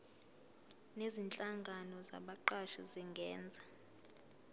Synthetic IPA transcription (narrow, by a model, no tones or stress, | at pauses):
nezint͡ɬʼaŋɡʱanɔza̰ɓaǃaʃɔziŋɡʱɛːnd͡zʱa